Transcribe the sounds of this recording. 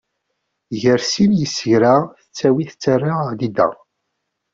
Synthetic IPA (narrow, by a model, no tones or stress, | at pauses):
ʝəɾsinjəsəʝɾaθət͡sːæwiθət͡sːərːalid̪æ̰